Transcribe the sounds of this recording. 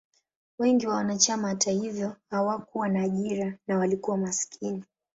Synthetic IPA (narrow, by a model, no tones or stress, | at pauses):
wɛŋɡiwawanat͡ʃamahatahivjɔhawakuwanaːʄiɾanawalikuwamaskʰini